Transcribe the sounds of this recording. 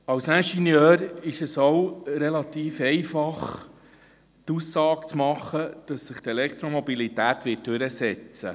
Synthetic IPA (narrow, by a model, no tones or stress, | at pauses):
ɑwsæʃinjœːɾɪʃəsowɾɛlɑt̪iːfɛɪfɑχ | t̪usːɑːkt͡smɑχːəd̥ɑsːəχt̪ɛlɛkt̪ɾomɔbilit̪æːt̪ʋɪt̚d̥ʉɾəsɛt͡sə̰